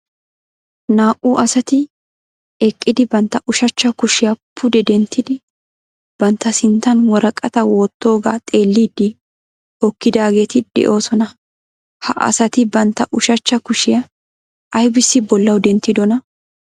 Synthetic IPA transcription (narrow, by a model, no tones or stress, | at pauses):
naːʔuːʔɐsɐt̪ɪ | ɛkʼːɪd̪ɪbɐnt̪ːɐʔʊʃɐt͡ʃːɐkʊʃɪjɐpʰʊd̪ɛd̪ɛnt̪ːɪd̪ɪ | b̥ɐnt̪ːɐsɪnt̪ːɐnwɔɾɐkʼːɐt̪ɐwo̞ːt̪ːo̞ːɡa̰ːt̪ʼe̞ːlːiːd̪ːɪ | ɔkːɪd̪aːɡe̞ːt̪ɪd̪̥ɛ̰ʔo̞ːsɔnɐ | hɐ̰ʔɐ̰sɐt̪ɪbɐnt̪ːɐʔʊʃɐt͡ʃːɐkʊʃɪjɐ | ʔɐjbɪsːɪbɔlːɐwd̪ɛnt̪ːɪd̪ɔnɐ